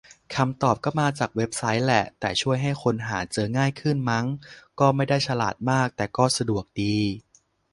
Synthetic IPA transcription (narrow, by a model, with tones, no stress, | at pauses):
kʰa˧mt̪ɔː˨˩p̚kɔ˥˩maː˧t͡ɕaː˨˩k̚we˦˥p̚sa˦˥jlɛ˨˩ʔt̪ɛː˨˩t͡ɕʰu˥˩əjɦa˥˩jkʰo˧nɦa̰ː˩˦t͡ɕɤː˧ŋaː˥˩jkʰɯ˥˩nma˦˥ŋkɔː˥˩ma˥˩jda˥˩jt͡ɕʰa˧laː˨˩t̪̚maː˥˩k̚t̪ɛː˨˩kɔː˥˩sa˧du˨˩ək̚diː˧